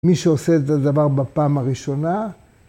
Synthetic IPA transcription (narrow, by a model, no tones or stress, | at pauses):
miʃeose̞ːt̪adavaʁbapaːmaʁiʃo̞na